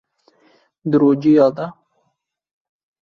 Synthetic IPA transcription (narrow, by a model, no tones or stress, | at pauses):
d̪əɾod͡ʒijɑd̪a